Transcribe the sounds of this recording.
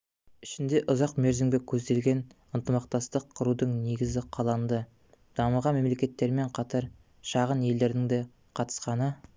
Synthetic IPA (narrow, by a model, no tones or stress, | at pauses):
ʏʃɪnd̪e̞ʔʊzɑqme̞ɾzɪmbʲekʲʰɵzd̪e̞lɡʲe̞n | ənt̪əmɑqt̪ɑst̪əqʰːəɾud̪əɴne̞ɡʲɪzɪqʰɑlˠɑnd̪ə | d̪̥ɑməlʁɑnme̞mle̞kʲe̞t̪ːe̞ɾme̞ɴqʰɑt̪ɑɾ | ʃɑʁənje̞ld̪e̞ɾd̪ɪŋd̪e | qʰɑt̪ə̥sqɑnə